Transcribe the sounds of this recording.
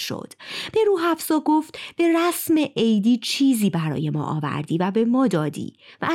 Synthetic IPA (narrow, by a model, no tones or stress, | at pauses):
ʃo̰d̪̥b̥e̞ɾuːɦæfsɒːɡoft̪b̥e̞ɾæsme̞ʔejd̪iːt͡ʃʰiːziːbæɾɒ̰ːje̞mɒ̰ːʔɒ̰ːvæ̰ɾd̪iːvæbe̞mɒːd̪ɒːd̪ḭːvæ